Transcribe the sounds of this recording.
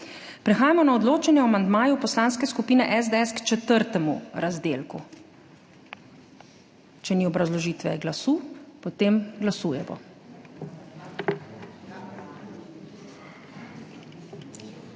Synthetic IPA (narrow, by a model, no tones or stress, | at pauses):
pɾɛxaːjamɔnaɔd̪loːt͡ʃɛnjɛɔamand̪maːjupɔslaːnskɛskupiːnɛʔɛzd̪ɛɛskt͡ʃɛt̪əɾt̪ɛmṵɾazd̪eːlku | t͡ʃɛniɔbɾazlɔʒiːt̪ʋɛ̰ɡlasuːpɔt̪eːmɡlasuːjɛbɔ̰